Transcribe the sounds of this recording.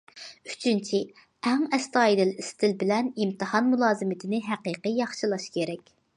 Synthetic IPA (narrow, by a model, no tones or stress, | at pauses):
y̥t͡ʃʰynt͡ʃʰi | ɛŋɛst̪ɑːjid̪ɪlist̪ʰɪlbɪlɛnimt̪ɨhɑnmulˠɑːzɨmɪt̪ʰɪnɪɦæqiːqijɑχʃɨlˠɑʃkʲʰeɾɛkʲ